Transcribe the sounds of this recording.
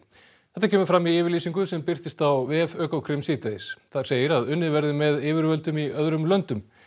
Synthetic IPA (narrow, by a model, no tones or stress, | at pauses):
θɛ̥t̪acʰɛːmʏɾfɾamːiɪːvɪɾliːsiŋkʏsɛmpɪr̥t̪ɪst̪awvɛːfœːkawkʰɾɪmsiːt̪eɪsθaɾ̥seːjɪɾaðʏnːɪvɛɾðɪmɛðɪːvɪɾvœlt̪ʏmiœðɾʏmlœnt̪ʏm